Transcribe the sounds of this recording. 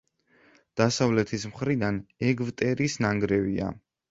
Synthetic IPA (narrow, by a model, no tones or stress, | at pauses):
d̪̥asavlɛt̪ʰismχɾid̪anɛɡvt̪ʼɛɾisnaŋɡɾɛvia̰